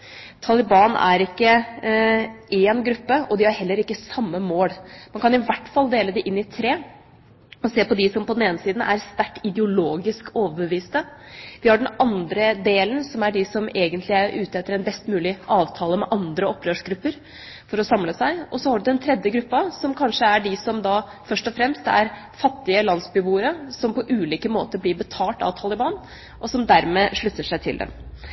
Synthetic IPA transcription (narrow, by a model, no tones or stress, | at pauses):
t̪ʰɑlɪbɑːnæ̰ɾɪkːə | eːnɡɾʉpːəɔd̪ɪhɑɾhɛlːəɾɪkːəsɑmːəmoːlmɑnkʰɑnɪʋæʈːfɑlːˠd̪eːləd̪ɛʔɪnːɪt̪ʰɾeː | ɔseːpɔd̪ɪsɔmpʰɔd̪ɛneːnəsiːd̪n̩ʔæɾst̪æʈːɪd̪ɛʊloːɡɪskoːʋəbəʋiːst̪əʋ̪ɪhɑɖɛnɑnd̪ɾəd̪eːlənsɔmæɖɪsɔmeːɡənt̪ʰlɪæɾʉːt̪əɛt̪ːəɾɛnbɛst̪mʉːlɪʔɑːʋt̪ʰɑːləmɛʔɑnd̪ɾəɔpːɾøːʂɡɾʉpːəɾ | fɔɾɔsɑmləsæɪɔsɔhɑɖʉd̪ɛnt̪ʰɾɛd̪jəɡɾʉpːɑsɔmkʰɑnʂəæɖɪsɔmd̪ɑfœʂʈɔfɾɛmst̪æ̰ɾ | fɑt̪ːɪəlɑnsbʏbuːəɾəsɔmpɔʔʉːliːkəmoːt̪əɾblɪɾbət̪ʰɑːʈɑ̰ːʋt̪ʰɑːlɪbɑːn | ʔɔsɔmd̪æɾmeːʂɭʉt̪ːəʂæɪt̪ʰɪ̰ld̪ɛ̰m